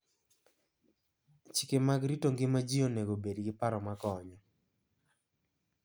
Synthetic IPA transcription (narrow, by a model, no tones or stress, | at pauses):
t͡ʃi̥kemaɡɾitoŋɡɪmad͡ʒioneɡobedɡɪpaɾɔmakɔɲɔ